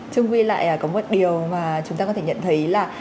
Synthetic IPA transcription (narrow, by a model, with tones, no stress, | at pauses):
t͡ɕɨ˧ŋkwi˧la̰ː˧˨jʔəː˨˩kɔ˨˦mə˦˥t̚ɗi˨˩əwmaː˨˩t͡ɕʊ˨˦ŋ͡mta˧kɔ˨˦t̪e˧˩ɲə̰˧˨nt̪ʰə˨˦jlaː˨˩